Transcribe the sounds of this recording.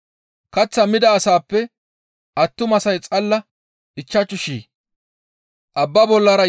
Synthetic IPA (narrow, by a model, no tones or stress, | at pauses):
kɐt͡sːɐmɪd̪ɐːsaːpːɛ | ʔɐt̪ːʊmɐsɐjt͡sʼɐlːɐ | ɪt͡ʃːɐt͡ʃːʊʃḭː | ʔɐbːɐbɔlːɐɾɐ